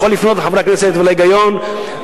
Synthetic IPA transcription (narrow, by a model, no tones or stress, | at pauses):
olːifnot̪ħavɾakneset̪velajɡajon